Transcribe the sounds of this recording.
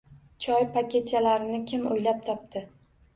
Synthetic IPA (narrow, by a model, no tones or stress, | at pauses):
t͡ʃʰɒjpakʲe̞t̪̚t͡ʃʰalaɾɪnɪkʲʰɪmo̰jlap̚t̪ʰɒp̚t̪ʰɪ